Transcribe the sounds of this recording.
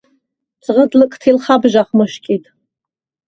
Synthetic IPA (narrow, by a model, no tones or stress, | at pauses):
t͡sʼʁədlɨkʼtʰilχabʒʷaχmɨʃkʲʼitʼ